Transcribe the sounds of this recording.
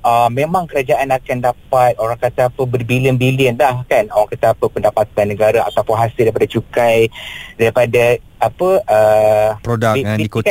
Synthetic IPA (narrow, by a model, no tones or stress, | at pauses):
əmẽmãŋkəɾad͡ʒaʔanakandapat̪̚oɾaŋkat̪aapəbərbiliənbiliənlahkanoɾaŋkat̪aapəpəndapat̪anːəɡaɾaa̰t̪awpʊnɦasɪldaɾipadat͡ʃukajdaɾipadaapəʔəpɾodaik